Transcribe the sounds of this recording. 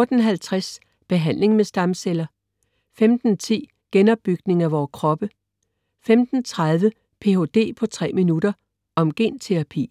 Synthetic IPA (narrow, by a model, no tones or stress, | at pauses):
ɔd̥n̩ɦælt͡sʰʁas | b̥e̝ɦæn̰le̝ŋmesd̥ɑ̈mselɐ | femd̥n̩t͡sʰḭː | ɡ̥enɒ̽b̥ːyɡ̥ne̝ŋæʋɒːkʰʁɒ̽b̥ə | femd̥n̩t͡sʰʁað̞ˠʋə | pʰe̝o̝d̥e̝̰ːpʰɒ̽t͡sʰʁɛ̰ːminud̥ɐ | ʔɒ̽mɡ̥e̝̰ːnt͡sʰe̝ʁɑ̈pʰḭː